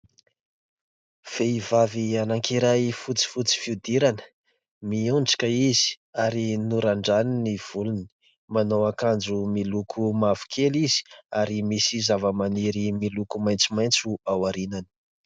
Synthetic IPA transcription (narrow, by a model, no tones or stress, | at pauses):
v̥eivavianaŋkiɾajfut͡si̥fut͡si̥fiud̪iɾanə̥ | miuɳɖ͡ʐḁkəizi̥ | aɾinuɾaɳɖ͡ʐaniniv̥uluni̥ | manowakand͡ʒumilukʰumavu̥kʰelizi̥aɾimisizavəmaniɾimilukumajnt͡sumajnt͡suawaɾinani̥